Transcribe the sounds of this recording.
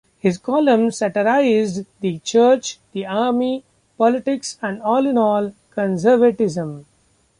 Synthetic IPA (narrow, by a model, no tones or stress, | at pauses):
hɪzkɔːlə̃msɛʈəɾaɪzɖd̪it͡ʃəːɾt͡ʃd̪̥iaːɾmi | pɔlɪʈɪksæ̃ɳɖɔːlɪ̃nɔːlkə̃nsəɾʋəʈɪzə̃m